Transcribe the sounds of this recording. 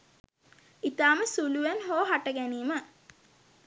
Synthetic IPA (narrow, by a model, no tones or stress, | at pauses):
it̪aːməsuluʋænɦoːɦaʈəɡæniːmə